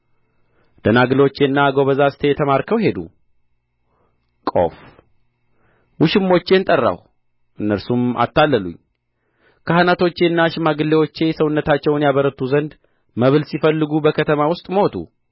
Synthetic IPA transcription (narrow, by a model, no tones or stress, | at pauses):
d̪̥ənaɡɨlot͡ʃːe̞nːaɡo̞βəzasɨ̥t̪ʰejɛt̪ʰəmaɾkʰəwɦe̞d̪ṵ | kʼo̞̰f | wuʃɪmːo̞t͡ʃːe̞nt̪ʼərːa̰w | ʔɨnːəɾsuma̰t̪ʰːalːəlṵɲː | kʰahanat̪ʰo̞t͡ʃːe̞nːaʃɪmaɡɨlːe̞wo̞t͡ʃːe̞səwʊnːət̪at͡ʃːɛwnjaβəɾət̪ʰːuzənd̪ | məβɨlsifəlːɨɡubəkʰət̪ʰəmawʊst̪ʼmot̪ʰʼṵ